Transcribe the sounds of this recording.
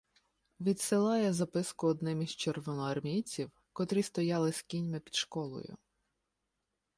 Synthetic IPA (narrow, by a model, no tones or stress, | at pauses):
ʋʲid̪sɪlˠɑjɛzɐpɪskʊɔd̪nɪmiz̥t͡ʃerʋɔnɔɐrmʲijt͡sʲiw | kɔt̪ɾʲist̪ɔjɑlˠɪskʲinʲmɪpʲid̪ʃkɔlˠɔ̰jʊ̰